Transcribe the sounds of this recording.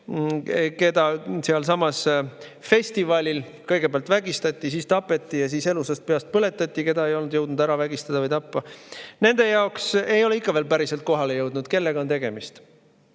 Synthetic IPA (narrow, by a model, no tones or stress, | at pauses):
ke̞d̪̥ɑsiɑlsɑmɑsfe̞sʲt̪ivɑlʲil | kɤjɡ̥e̞peɑlt̪væɡ̥ist̪ɑt̪ʲˑːisiːst̪ɑpːˑe̞t̪ʲːˑijɑsiːse̞lusɑst̪̚peɑst̪̚pɤle̞t̪ːˑɑt̪ʲːˑike̞d̪ɑe̞jo̞lnud̪̥jɤwd̪nud̪̥æɾɑvæɡ̥ist̪ɑd̪ɑvɯjt̪ɑpːɑne̞nd̪̥e̞jɑokse̞jo̞leikːˑɑve̞ːlpæɾise̞lt̪̚ko̞ɦɑle̞jɤwd̪̥nud̪̥ke̞lːeɡ̥ɑo̞nt̪e̞ɡ̥e̞mist̪